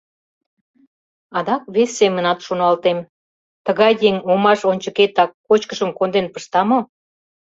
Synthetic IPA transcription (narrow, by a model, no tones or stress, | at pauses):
ɑd̪ɑkβesʲːemənɑt̪ʃonɑlt̪em | t̪əɣɑjjeŋomɑʃonʲt͡ɕəket̪ɑkːot͡ɕkəʃəmkond̪enpəʃt̪ɑmo